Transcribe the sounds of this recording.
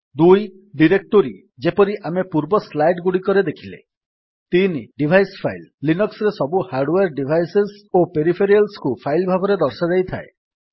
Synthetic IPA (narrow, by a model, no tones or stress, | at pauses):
d̪uj | ɖiɾek̚ʈoɾi | d͡ʒepɔɾiʔamepuɾbɔslajʈɡuɽikɔɾed̪ekʰilḛ | t̪iniɖibʱajspʰajlːinɔksɾesɔbuhaɾɖweɾɖibʱajsesopeɾipʰeɾialskupʰajlbʱabɔɾed̪ɔɾsad͡ʒajt̪ʰae